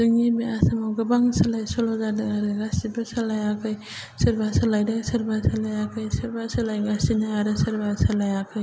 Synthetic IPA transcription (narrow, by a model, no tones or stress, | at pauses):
dɯŋibeasamawɡɯbaŋsalajsɔlɔzadɯŋaɾɯɡasibɯsalajakʰɯj | sɯɾbasalajdasɯɾbasalajakʰɯjsɯɾbasalajɡasinajaɾɯsɐɾbasalajakʰɯj